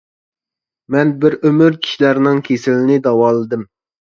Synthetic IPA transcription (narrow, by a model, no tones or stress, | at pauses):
mɛnbɪɾømyɾkʲʰi̥ʃilæɾnɪŋkʲʰesɪlɪnɪd̪ɑwɑːlˠɨd̪ɪm